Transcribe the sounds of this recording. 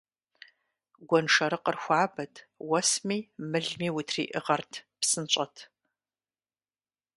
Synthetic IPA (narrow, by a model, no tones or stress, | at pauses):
ɡʷɔnʂɐɾɨqərxʷɑːbɐtʰ | wɐsmiːmɨɮmiːwʊtʰrḭːʔɨ̰ʁɐrtʰpsɨnt͡ʃʼɐtʰ